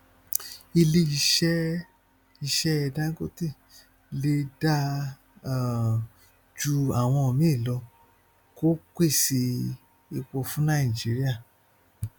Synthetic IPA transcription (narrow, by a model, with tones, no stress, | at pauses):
i˧le˧i˧ʃɛ˦ | i˧ʃɛ˦ɛ˧dã˦ŋ˦ɡo˦ti˦˨ | le˧da˦˨ | d͡ʒu˧a˨w̃ɔ̃˧o˨mĩ˦i˦˨lɔ˧ | ko˦kʷe˦˨si˧ | i˧k͡pɔ˧fũ˦nã˦ĩ˨d͡ʒi˨˦ɾi˦a˦˨